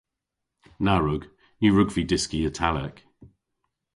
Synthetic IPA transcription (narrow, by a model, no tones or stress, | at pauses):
naɹʊɡ̥ | jəɹʊɡvidɪskiətʰalɛ̰k